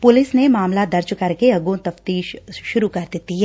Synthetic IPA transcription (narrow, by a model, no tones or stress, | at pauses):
pʊlɪsnemaːmlad̪ɐɾt͡ʃkɐɾkeɐɡõt̪ɐft̪iːʃʃʊɾukɐɾd̪ɪt̪iɦɛː